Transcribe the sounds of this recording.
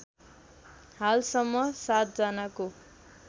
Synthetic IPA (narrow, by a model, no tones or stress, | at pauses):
halsʌmːʌsat̪̚d͡zʌnako